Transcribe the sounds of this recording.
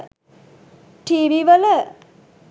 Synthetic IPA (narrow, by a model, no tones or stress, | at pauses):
ʈiːʋiʋələ